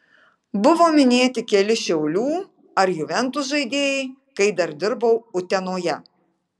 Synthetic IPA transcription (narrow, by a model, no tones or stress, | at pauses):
bʊʋoːmʲɪnʲeːt̪ʲɪkʲɛlʲɪʃʲɛʊlʲuː | ɐɾjuʋʲɛnt̪ʊʒɐɪd̪ʲeːjɛɪ | kɐɪd̪ɐɾd̪ʲɪɾbɐʊʊt̪ʲɛnoːjɛ